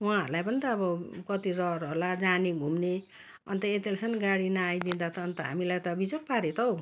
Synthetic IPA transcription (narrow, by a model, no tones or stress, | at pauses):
wãʌ̰ɾlajpʌnit̪ʌːbʌkʌt̪irʌɾɦʌlad͡zaneɡʱumne | ʌ̰nt̪ʌet̪ilsʰʌnɡaɽinaːjd̪ind̪at̪ʌːnt̪ʌɦa̰milajt̪ʌbid͡zok̚paɾet̪ʰʌw